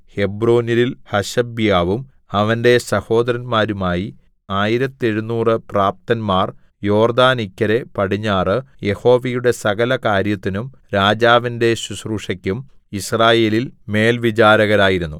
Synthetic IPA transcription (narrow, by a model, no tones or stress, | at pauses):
he̞bro̞ːnililhɐɕɐbjaːʋum | ɐʋɐnde̞sɐho̞ːd̪ɐɾɐnmaːɾumaːji | aːjiɾɐt̪ːe̞ɻunːuːrɨpraːp̚t̪ɐnmaːr | jo̞ːrd̪aːnikʲːɐɾe̞pɐɽiɲːaːrɨje̞ho̞ːʋɐjuɽe̞sɐɣɐlɐkaːɾjɐt̪ːinum | ɾaːd͡ʑaːʋinde̞ɕusruʂɐkʲːum | israːje̞ːlilme̞ːlʋit͡ɕaːɾɐɣɐɾaːjiɾunːu